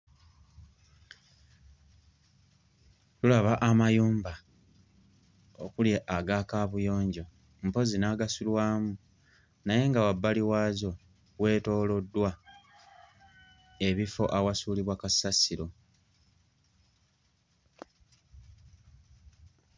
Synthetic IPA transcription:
tulaβaʔamajuːmba | okuljeʔaɡaːkaβujo̞ːɲɟo̞ | m̩po̞zinaɡasulwaːmu | naje̞ŋɡawabːaliwaːzo̞ | we̞ːto̞ːlo̞dːwa | e̞βifo̞̰ʔawasuːliβwakasasiɾo̞

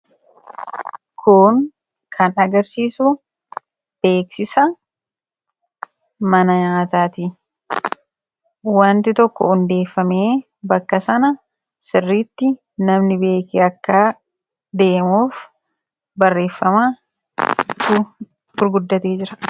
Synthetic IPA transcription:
kʰʊŋ | kʰɐnɐɡɐɾsiːsu | b̥e̞ːksɪsɐ | mɐnɐɲaːt̪aːt̪i | waːnt̪ɪt̪ɔkːɔ̰ʊnd̪e̞ːfːɐme̞ː | bɐkːɐsɐnɐ | sɪrːiːt̪ːɪ | nɐmnɪbe̞ːkɪɐkːaː | d̪e̞ːmuːf | bɐrːe̞ːfːɐma | t̪u | ɡʊɾɡʊd̪ːɐt̪eːd͡ʒɪɾɐ̥

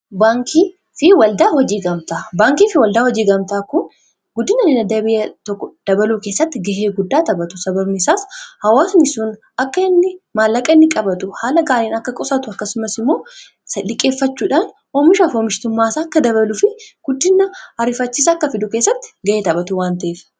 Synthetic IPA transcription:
baːŋkiː | fɪwɐld̪aːhɔd͡ʒiːɡɐmt̪aːbaːŋkiːfɪwɐld̪aːhɔd͡ʒiːɡɐmt̪aːkʊn | ɡʊd̪ːɪnɐnɪnɐd̪ːɐbɪjɐt̪ɔkːɔd̪̥ɐbɐluːke̞ːsːɐt̪ːɪɡɐʔeːɡʊd̪ːaːt̪ɐbɐt̪ʊsɐbɐbnɪsaːshɐwaːsʊnɪsun | ɐkːɐɪnːɪmaːlːɐkʼɐɪnːɪkʼɐbɐt̪ʊhaːlɐɡaːɾiːnɐkːɐkʼɔsɐt̪ʊɐkːɐsʊmɐsɪmːo̞ː | sɐᶑɪkʼːe̞ːfːɐt͡ʃːuːᶑaːn | oːmɪʃafoːmɪʃt̪ʊmːaːsaːɐkːɐd̪ɐβɐlʊfɪɡ̥ʊd̪ːɪnːɐɐɾɪfɐt͡ʃːiːs̬ɐːkːɐfɪd̪ʊke̞ːsːɐt̪ːɪ̥ɡɐʔeːt̪ɐbɐt̪ʊwaːnt̪ɐʔeːf

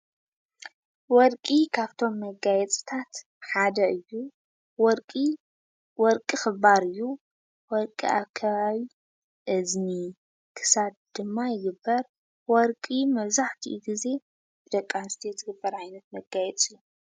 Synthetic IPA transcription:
wɔɾkʼikʰaβt̪ʰo̞mːɐɡajɛt͡sʼt̪ʰat̪ | ħad̪ɐʔɨjːu | wɔɾkʼi | wɔɾkʼixɨbaɾɨjːu | wɔɾkʼḭʔaβkʰɐβaβi | ʔɨzni | kʰɨ̥sad̪̚d̪̥ɨmːajɪɡɨbːɐɾ | wɔɾkʼimɐβzaħt̪ʰiʔuɡize̞ | b̥ɨd̪ɐkʼːanst̪ʰijɛt̪ɨɡɨbːɐɾʕajnɐt̪mɐɡajɛt͡sʼiju

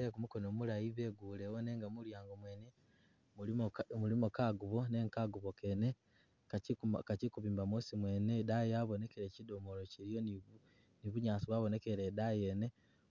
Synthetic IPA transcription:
ekumuko̞nomulajiβe̞ɡulewone̞ːŋɡamuɾjaːŋɡomweːne | mulimokaɡuβo̞ne̞ŋkaɡuβo̞kene | kakacikuβiːmbamosimwe̞ːnedajaβo̞ne̞ke̞ɾeːcidomoɾo̞ciɾijon | niβuɲaːsiβwaβo̞ne̞keɾedajene̞

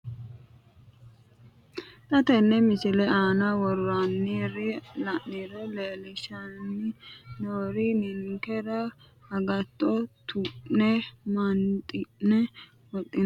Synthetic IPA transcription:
t̪ʼɐt̪ɛnːɛmɪsɪlɛaːnɐwɔɾɾanːiɾɪlɐʔiɾɔleːlɪʃanːɪnoːɾɪnɪnɪŋkɛɾɐ | ɐɡɐt̪ʼːɔt̪ʰʊʔnɛmɐnt̪ʼɪʔnɛ | wɔt̪ʼːɪn

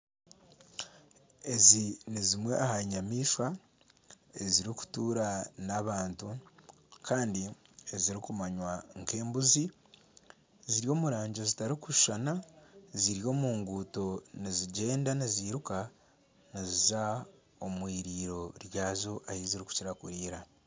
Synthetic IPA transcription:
e̞zinizimwe̞̰ʔahaɲamiːʃwa | eziɾiku̥tuːɾanaβaːntu | kʰaːndi | e̞ziɾikumaɲwaŋke̞ːmbuzi | ziɾijo̞ːmuɾaːɲɟe̞zitaɾikuʃʃanaziɾjo̞ːmuːŋɡuːto̞niziɟe̞ːndaniziːɾuka | niziza | o̞mwiːɾiːɾo̞ɾjaːzoʔaheziɾiku̥ciɾakuɾiːɾa

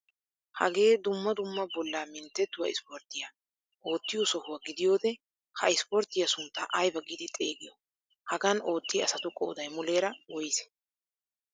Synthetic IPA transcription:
hɐ̰ɡe̞ːd̪ʊmːɐd̪ʊmːɐbɔlːamɪnt̪ːɛt̪ːʊwɐ̰ɪspɔɾt̪ːɪja | ʔo̞ːt̪ːɪjɔsɔhʊwɐɡɪd̪ɪjo̞ːd̪ɛ | hɐɪspɔɾt̪ːɪjɐsʊnt̪ːɐʔɐjbɐɡiːd̪ɪt̪ʼeːɡɪjɔ | hɐɡɐno̞ːt̪ːɪɐ̰sɐt̪ʊkʼo̰ːd̪ɐjmʊle̞ːɾɐwɔjɪsɛ̥

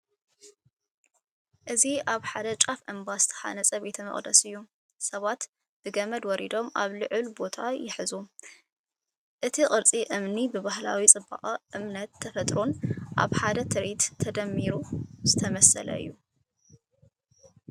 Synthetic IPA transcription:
ʔɨziaβħad̪ɐt͡ʃʼafʔɨmbazɨ̥t̪ʰɐ̥ħa̰nɐt͡sʼɐbet̪ʰɐmɐ̰χʼd̪ɐsɨjːu | sɐβat̪ | b̥ɨɡɐmɐd̪wɔɾid̪o̞mʔa̰βlɨʕɨlbo̞t̪ʰajɪħɨzu | ʔɨt̪ʰiqʼɨɾt͡sʼiʔɨmnibɨβaɦla̰wit͡sʼɨba̰qʼɐʔɨmnɐt̪ʰːɐfɐt̪ʼɾonʔa̰βħad̪ɐt̪ʰɨɾit̪ʰːɐd̪ɐmːiɾuz̥ɨt̪ʰɐmɐsɐ̰lɐ̰ɨ̰jːu

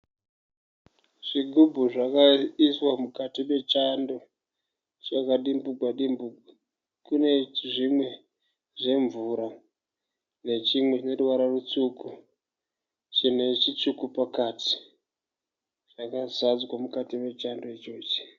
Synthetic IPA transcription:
ʐ̥iɡʱubʱuʐakaiswamukatime̞t͡ʃando | t͡ʃakaɗimbuɡwaɗimbuɡa | kune̞ʐimwe̞ | ʐe̞ɱvuɾa | ne̞t͡ʃimweneruʋaɾarut͡suku | t͡ʃine̞t͡ʃit͡ʃukupakati̥ | ʐ̥akazad͡zwamukatime̞t͡ʃando̞it͡ʃoːt͡ʃe̥

